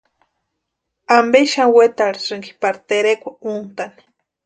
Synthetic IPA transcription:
ambeʃanwet̪aɺiɾɨŋɡi̥paɾt̪eɾekʷaunt̪ani̥

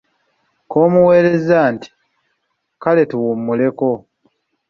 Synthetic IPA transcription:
ko̞ːmuwe̞ːɾe̞zaːnti̥ | kale̞tuwumːule̞ko̞

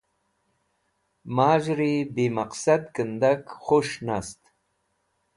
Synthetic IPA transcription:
maːʒɾibemaqsad̪kənd̪akχoʃnast̪

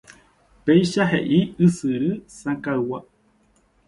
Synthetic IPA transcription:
pejʃaɦḛʔiɨsɨɾɨsãkawa

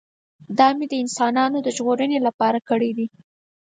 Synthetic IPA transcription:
d̪ɑmed̪əɪnsɑnɑnod̪əʒɣoɾənelapɑɾakəɽid̪i

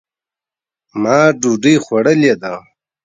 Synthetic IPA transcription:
maːɖuɖiːxʷwɐɽɐled̪a

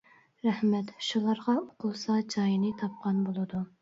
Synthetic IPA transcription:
ɾɛhmɛt̪ʃulˠɑɾʁɑoqʰʊlˠsɑd͡ʒɑjinɨt̪ʰɑp̚qʰɑnbolˠɨd̪u

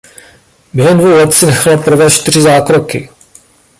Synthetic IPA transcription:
bjɛɦɛmndvowlɛt̪t͡sɪnɛxalaprɾ̩vɛʃt̪ɪr̝ɪzaːkɾokɪ

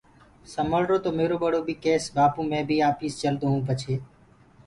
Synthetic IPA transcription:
səməɭɾoːt̪oːmeːɾoːɓəɽoːbʱiːkeːsbaːpũːmẽːbʱiːaːpiːst͡ʃəlt̪oːɦũːpət͡ʃʰeː

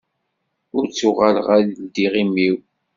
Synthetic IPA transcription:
ʊɾt͡sːʊʁalʁaɾd̪iʁimːiw

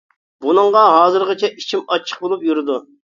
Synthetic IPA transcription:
bunɨŋʁɑɦɑːzɨɾʁɑt͡ʃʰɛit͡ʃʰimɑt͡ʃʰːə̥q̚bolˠupjuɾɪd̪u

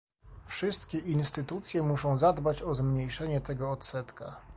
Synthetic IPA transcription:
fʂɘst̪kʲɛʔinst̪ɘt̪ut̪sʲjɛmuʂɔ̃w̃zad̪bat͡ɕɔzmɲejʂɛɲɛt̪ɛɡɔːt̪sɛt̪ka

